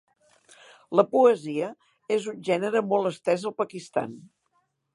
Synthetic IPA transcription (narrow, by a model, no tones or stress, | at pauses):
ləpuəziə | ezunʲʒɛnəɾəmɔlˠəst̪ɛzəlˠpəkist̪a̰n